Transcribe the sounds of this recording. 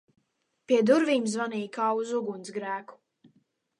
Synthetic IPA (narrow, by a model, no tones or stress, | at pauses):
piɛd̪uɾviːmzvaniːkaːuzuɡunsɡɾæːku̥